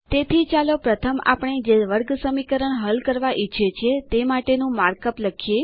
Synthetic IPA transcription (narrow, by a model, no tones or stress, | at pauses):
t̪et̪ʰit͡ʃalopɾət̪ʰəma̰pəɳ̃ed͡ʒeʋəɾɡsəmikəɾəɳɦəlkəɾʋaʔit͡ʃʰet͡ʃʰet̪emaʈenũmaɾkəpləkʰije